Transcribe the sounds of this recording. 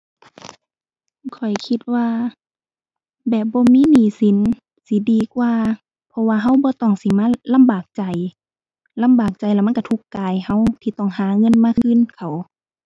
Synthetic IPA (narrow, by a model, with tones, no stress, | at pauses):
kʰɔ˨˩jkʰi˧t̪̚waː˧ | bɛː˨˩p̚bɔː˧˦miː˧˥˨niː˨˩˦si˨˦n | si˧˦diː˨˧kwaː˧ | pʰɔ˧waː˧ɦa˧˥˨wbɔː˧˦t̪ɔː˧˩ŋsi˨˧˦maː˧˥˨la˧˥˨mbaː˨˩k̚t͡ɕa˨˩j | la˧˥˨mbaː˨˩k̚t͡ɕa˨˩jla˧˩ma˧˥˨ka˧t̪ʰu˧˩kːaː˨jha˧˨wt̪ʰiː˧t̪ɔː˧˩ŋhaː˨˦ŋɤ˧˥˨nmaː˧˥˨kʰɯ˧˥˨nkʰa˧˨˩w